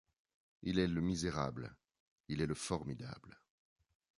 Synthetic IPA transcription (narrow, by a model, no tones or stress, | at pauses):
ilɛləmizeʁa̰bl | ilɛləfɔʁmid̪a̰bl